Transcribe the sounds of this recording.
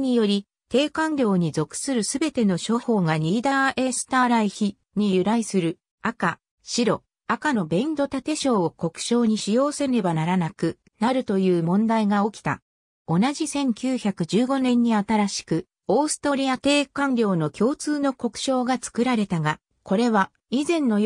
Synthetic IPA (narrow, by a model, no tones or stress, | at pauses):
ɲ̟ijo̞ɾʲi | t̪e̞ːkãnɾʲo̞ːɲ̟izo̞kɯ̟̥sɨɾɯ̟sɨbe̞t̪e̞no̞ɕo̞ho̞ːɡaɾʲiːd̪aːʔe̞sɨ̥t̪aɾaiçi | ɲ̟ijɯ̟ɾaisɨɾɯ̟ | aka | ɕiɾo̞ | akano̞bẽ̞nd̪o̞t̪at̪e̞ɕo̞ːoko̞kɯ̟̥ɕo̞ːɲ̟iɕijo̞ːse̞ɾe̞banaɾanakɯ̟ | naɾɯ̟t̪o̞jɯ̟ːmõ̞nd̪aiɡao̞kʲi̥t̪a̰ | o̞naʑisẽ̞ŋkʲɨːçakɯ̟ʑɨːɡo̞nẽ̞ɲ̟ːiat̪aɾaɕi̥kɯ̟ | o̞ːsɨ̥t̪o̞ɾʲiat̪e̞ːkãnɾʲo̞ːno̞kʲo̞ːt͡sɨːno̞ko̞kɯ̥ɕo̞ːɡat͡sɨ̥kɯ̟ɾaɾe̞t̪aɡa | ko̞ɾe̞βa | izẽ̞nːo̞